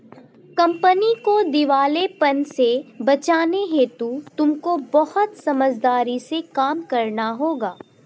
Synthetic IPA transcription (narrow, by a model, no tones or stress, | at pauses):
kɐ̃mpənikod̪ɪʋaːlepɐnsebɐt͡ʃaːneɦet̪ũt̪ʊmkobɐɦʊt̪sɐməd͡ʒd̪aːɾisekaːmkɐɾnaɦoːɡaː